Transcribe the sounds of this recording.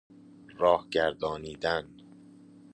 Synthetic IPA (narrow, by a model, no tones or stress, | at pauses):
ɾɒːhɟæɾd̪ɒːniːd̪æn